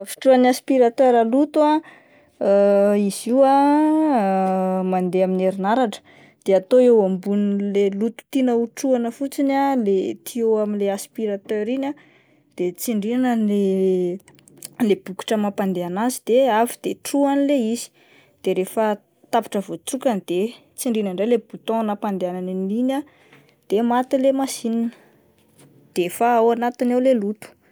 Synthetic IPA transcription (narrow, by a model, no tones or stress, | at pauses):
fi̥ʈ͡ʂuaniaspiɾat̪øɾalut̪ua | iz̥iwa | mand̪eamineɾinaɾaʈ͡ʂə̥ | d̪̥eat̪oewambunilelut̪u̥t̪inəuʈ͡ʂuanəfut͡sinalet̪ʰioaminleaspiɾat̪øɾina | d̪̥et͡siɳɖ͡ʐianənle | leb̥uku̥ʈ͡ʂəmapand̪eanazid̪̥eavid̪̥eʈ͡ʂuanileizi̥ | d̪̥eɾefə | t̪api̥ʈ͡ʂəvot͡sukanid̪̥e | t͡siɳɖ͡ʐinəɳɖ͡ʐejlebut̪õnapand̪eananinina | d̪̥emat̪ilemasininə̥ | d̪̥efaawanat̪inawlelut̪u̥